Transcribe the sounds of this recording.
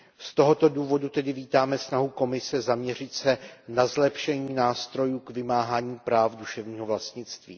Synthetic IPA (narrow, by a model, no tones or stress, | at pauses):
st̪o̞ɦo̞t̪o̞duːvo̞dut̪ɛdɪviːt̪aːmɛsnaɦuko̞mɪsɛzamɲɛr̝ɪt̪sɛnazlɛpʃɛɲiːnaːst̪ɾo̞juːkvɪmaːɦaːɲiːpɾaːfduʃɛvɲiːɦovlast̪ɲɪt͡st̪vḭː